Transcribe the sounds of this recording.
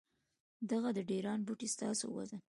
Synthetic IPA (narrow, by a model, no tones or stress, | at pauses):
d̪aɣad̪əɖeɾɑnbuʈist̪ɑ̰so̰wa̰zan